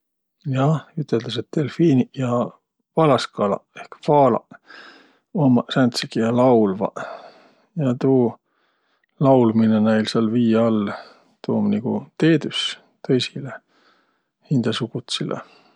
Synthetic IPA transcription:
jɑyt̪ːˑeld̪̥ɑset̪ːelfiːnijɑ | vɑlɑskɑlɑ̰ehkfɑːlɑ̰ | omɑsænt̪sekijɑlɑwlvɑ̰ | jɑt̪uː | lɑwlminenæjlseɑlviːjɑlː | t̪uːmniɡ̥ṵt̪eːd̪ys | t̪ɤjsile | hind̪̥ɑsukut̪silʔḛ

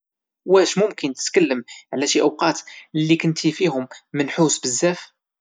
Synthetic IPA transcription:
wæʃmʊmkənt̪ə̥t̪kəlːəmʕlæʃiʔəwqɑt̪lːikənt̪ʰifiɦʊmːənħusbəzːæf

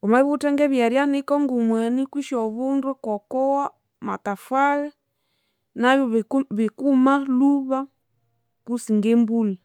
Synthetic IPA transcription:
kumaiβutaŋɡɛβjaɾjanikɔŋɡumwɛnikwiʃɔβundukɔkɔwa | matafwalɛ | naβjɔβikumaluβa | kusiŋɡɛmbuli

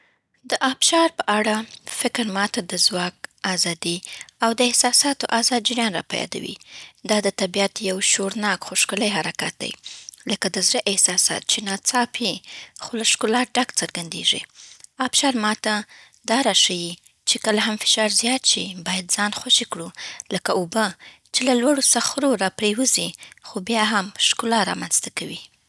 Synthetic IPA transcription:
d̪əʔɑbʃɑɾpəʔaɽafɪkɾmɑt̪ad̪əzwɑk̚ɑzɑd̪iawd̪əɪhsɑsɑt̪oʔazɑd̪̚d͡ʒɪɾjɑnɾɑ̰pa̰jɑ̰d̪a̰wḭd̪ɑd̪ət̪abijat̪jawʃoɾnɑkxoʃkʊləjɦaɾakat̪̚d̪a̰jləkad̪əzɾəʔɪhsɑsɑ̰t̪̚t͡ʃenɑt͡sɑpʰixolaʃkulɑɖakt͡səɾɡand̪ḛʐḭɑbʃɑɾmɑt̪a | d̪ɑɾɑʃaji | t͡ʃekəlaɦamfɪ̥ʃɑɾzjɑt̪ʃibɑjad̪zɑnxwaʃikɽuləkaobə | t͡ʃelalwaɽosaxɾoɾɑpɾewəzixobjɑɦamʃkulɑɾɑ̰manz̥t̪akawi

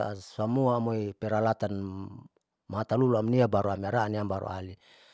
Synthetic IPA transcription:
a̰samuaːmojpeɾalat̪an | maat̪aluluamniabaɾoamiaɾaaniambaɾo̰ali

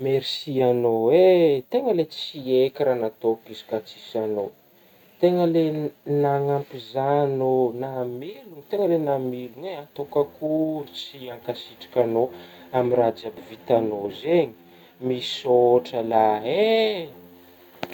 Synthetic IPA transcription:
meɾsianowet̪eŋəlet͡siekiɾanat̪okizi̥kat͡si̥sano | t̪eŋəlenaŋampizanonamilunt̪eŋəlenamiluneat̪okakuɾut͡siaŋkasiʈ͡ʂḁkʲanoamirad͡ʒabivit̪anozeɲi̥ | misoʈ͡ʂəlae

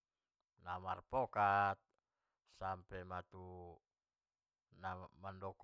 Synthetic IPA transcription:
nama̰rpɔkat̪̚ | sampɛmat̪u | namandɔk

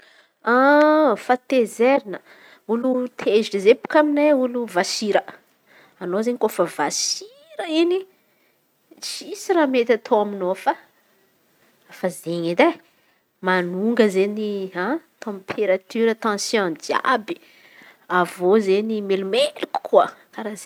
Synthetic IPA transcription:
afat̪ezeɾinə | ulut̪ʰezʈ͡ʂizepu̥kʲamineuluvasiɾə | anozeɲikofəvasi | ɾəini | t͡sisiɾamet̪ʲat̪ʰoaminofa | fazeɲid̪e | manuŋɡəzeniat̪ɑ̃pʰeɾat̪yɾət̪ɑ̃sjɔ̃dia̰bi̥ | avozenimelumeliku̥kʰuəkaɾaz

